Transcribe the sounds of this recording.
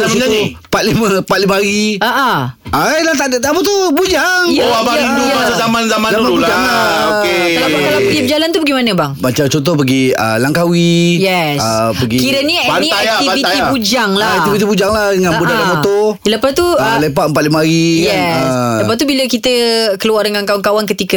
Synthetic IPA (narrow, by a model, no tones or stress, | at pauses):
d͡ʒauəpat̪̚liməpat̪̚liməaɾiəʔəaajlaht̪aʔdəʔt̪apət̪ubud͡ʒaŋjabiuazamanzamanzamãnbud͡ʒaŋaoelaakalabədibəd͡ʒalant̪ubəɡimanəbaŋmat͡ʃamt͡ʃɔt̪ɔp̬əɡiə̰laŋkawijɛsəpəɡikiɾənianĩaiafitibud͡ʒaŋlaɛkt̪ivit̪̬ibud͡ʒaŋlahdəŋãnudalamot̪ɔləpast̪uəlepat̪̚əmpat̪limaɾijɛəslapast̪ubiləkit̪əkəluardəŋaŋkawaŋkawaŋkət̪ikə